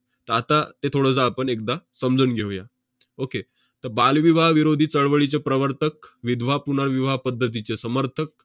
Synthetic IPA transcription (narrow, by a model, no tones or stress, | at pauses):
t̪əɾat̪at̪et̪ʰoɽəsaːpəɳek̚d̪asəmd͡zuːnɡʱeʋja | oke | t̪əɾbalʋiʋaɦʋiɾod̪ʱiːt͡səɭʋəɭit͡ɕepɾəʋəɾt̪ʰək̚ʋid̪ʱʋapunaɾʋiʋaɦpəd̪ʱːət̪̬it͡ɕesəməɾt̪ʰək̚